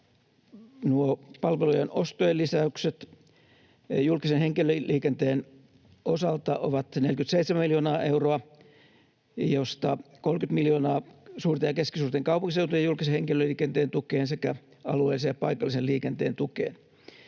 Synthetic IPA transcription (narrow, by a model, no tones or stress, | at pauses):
nuopɑlʋelujenost̪oelːisæykset̪ | julkisenheŋkilølːiːkent̪eːn | osɑlt̪ɑʔo̰ʋɑt̪nelkyt̪seit̪semæmiljoːnɑːʔeuroɑ | jost̪ɑkolmkyt̪miljonɑːsuːrt̪ejɑkeskisuːrt̪eŋkɑupuŋkiseut̪ojeɑjulkiseheŋkiløliːkent̪eːnt̪ukeːnsekæ | ɑ̰luḛˑːlːˑisejɑpɑikɑlːˑiseliːkent̪eːnt̪ukḛːn